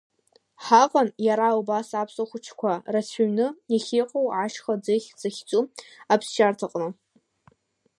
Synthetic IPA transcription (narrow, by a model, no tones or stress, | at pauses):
ħaqʼanjaɾaubasapʰsaχʷʊt͡ʃʰkʷʰarat͡sʰaɥnɨiχʲiqʼowʕaʃχad͡zɨχʲd͡zaχʲt͡sʼuapʰsʃartʰaqʼnɨ